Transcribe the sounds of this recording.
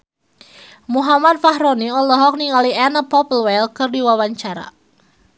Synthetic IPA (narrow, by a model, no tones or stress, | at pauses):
muɦamat̪̚faɦɾɔniɔlɔɦɔk̚niŋaliɛnəpɔpəlwɛlkɨrdiwawaɲt͡ʃaɾa̰